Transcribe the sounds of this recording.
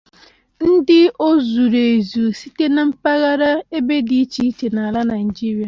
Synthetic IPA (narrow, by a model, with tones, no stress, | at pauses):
n̩˦dɪ˦o˦zu˨ɾe˨zu˨si˦te˦na˨m̩˦pa˦ɣa˦ɾa˦e˦be˦di˦i˦t͡ʃi˨˦i˦t͡ʃe˨na˨a˨la˦na˨ni˨d͡ʒi˦ɾi˨a˨